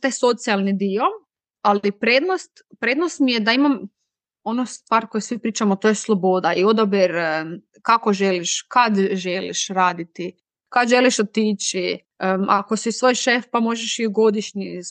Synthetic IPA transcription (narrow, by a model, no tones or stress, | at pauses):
t̪ajso̞t̪sialˠnid̪io̞ | alipɾed̪nost̪pɾed̪nost̪mijed̪aimam | o̞nost̪ʋaːɾko̞jesʋipɾiːt͡ʃamot̪ojeslˠobo̞d̪aio̞d̪obiɾ | kakoʒeliʃkad̪ʒelḭʃɾaːd̪it̪i | kad̪ʒe̞liʃot̪iːt͡ʃi | ako̞sisʋo̞jʃefpamo̞ʒeʃiɡo̞d̪iʃɲi